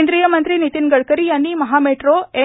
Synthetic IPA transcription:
nd̪ɾijəmənt̪ɾinit̪inɡəɭkəɾijanːimɐɦameʈɾoe

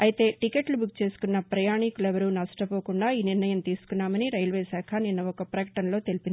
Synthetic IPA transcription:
ɐjt̪e̞ːʈikeːʈlubuk̚t͡ʃe̞ːsu̥kunːɐpɾɐjaːɳikulɛʋɐɾunɐsʈɐpo̞ːkuɳɖaːiːniɾnɐjɐmt̪iːsu̥kunːaːmɐniɾɐjlʋe̞ːsaːkʰɐninːɐɔkɐpɾɐkɐʈɐnɐlo̞ːt̪e̞lipind̪

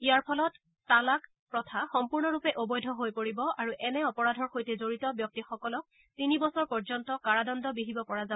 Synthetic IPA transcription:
ijaɹpʰɔlɔtː | alak | pɹɔtʰaxɔmpuɹnɔɹupɛʔobɔjdʱɔɦojpoɹibɔʔaɹuʔɛnɛɔpɔɹadʱɔɹxojtɛzoɹitɔbjɔk̚tixɔkɔlɔk̚ | tinibɔsɔɹpɔɹzɔntɔkaɹadɔndɔbiɦibɔpɔɹaza

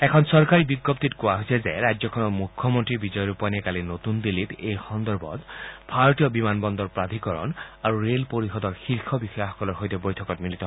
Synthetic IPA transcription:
ɛkʰɔnsɔɹkaɹibiɡːɔp̚t̪itkuaɦosʰɛzḛɹajzɔkʰɔnɔmukʰːɔmɔntɹibizɔjɔɹupaniɛkalinot̪und̪ilit̪ejxɔnd̪ɔɹbʱɔ̰t̪bʱaɹɔtijɔbimanbɔnd̪ɔɹpɹad̪ʱikɔɹɔ̰naɹuɹelpoɹixɔd̪ɔɹxiɹxʰɔbixɔjaxɔ̥kɔlɔɹɦojt̪ɛbojtʰɔkɔt̚milit̪ɔ

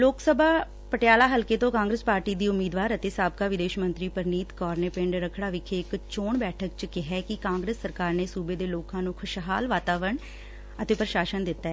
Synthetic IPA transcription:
loːksəbʱaː | pəʈjaːlaːɦəlkeːt̪õːkãːŋɡɾəspaːɾʈiːd̪iːʊmiːd̪ʋaːɾət̪eːsaːb̚kaːʋɪd̪eːʃmə̃nt̪ɾiːpəɾniːt̪kɔːɾneːpɪ̃ɳɖɾəkʰɽaːʋɪkʰeɪkt͡ʃoːɳbɛːʈʰək̚t͡ʃkɪɦɛːkɪkãːŋɡɾeːsːəɾkaːɾneːsuːbeːd̪eːloːkãːnũːkʰʊʃɦaːlʋaːt̪aːʋəəɳ | ət̪eːpɾəʃaːʃənd̪ɪt̪ːaɛː

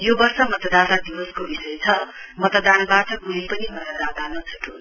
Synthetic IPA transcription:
jobʌrsʌmʌt̪d̪at̪ad̪iwʌskobisʌjt͡sʰʌmʌt̪d̪anbaʈʌkulipʌnimʌt̪d̪at̪anʌt͡sʰʌʈon

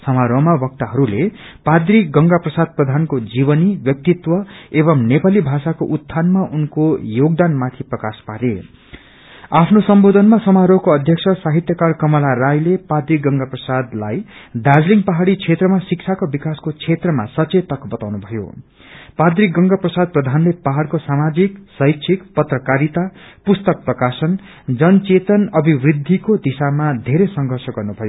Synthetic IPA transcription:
sʌmaɾomabʌk̚t̪aɦʌɾule | pad̪rik̚ɡʌŋɡaprʌsad̪̚prʌd̪ʱankod͡zibʌnibjʌk̚t̪it̪wʌebʌmnepalibʱasakoʔut̪ʰːanmaʔunkojoɡ̚d̪anmat̪ʰiprʌkaspaɾe | apʰnosʌmbod̪ʱʌnmasʌmaɾoɦkoʌd̪ʱjʌksʰʌsaɦit̪jʌkarkʌmʌlaɾajlepad̪rikɡʌŋɡaprʌsad̪lajd̪ad͡zliŋpaɦaɽit͡sʰet̪rʌmasik̚t͡sʰakobikaskot͡sʰet̪rʌma̰sʌt͡set̪ʌkbʌt̪awnubʱʌjo̰ | pad̪rik̚ɡʌŋɡaprʌsad̪̚prʌd̪ʱanlepaɦaɽkosamad͡ziksʌɦjtsʰikpʌt̪rʌkaɾit̪apust̪ʌk̚prʌkasʌn | d͡zʌnt͡set̪ʌnʌbʱibrid̪ʱːikod̪isamad̪ʱeɾesʌŋɡʱʌrsʌɡʌrnubʱʌjo

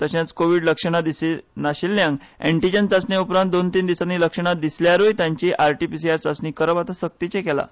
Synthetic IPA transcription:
t̪əɕãt͡skoʋiɽləkʂəɽ̃ad̪isenaɕilːjãŋɡḛɳʈid͡ʑənt͡sasnjaupɾãnt̪̚d̪ont̪iːnd̪isanːiːləkʂəɽ̃ad̪isljaɾojt̪jãɲt͡ɕiʔaɾʈipis̬iaɾt͡sasniːkəɾəbat̪asək̚t̪it͡ɕekɛla̰

